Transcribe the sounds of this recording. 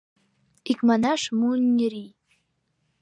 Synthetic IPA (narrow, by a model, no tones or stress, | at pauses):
ikmanaʂmunʲːiri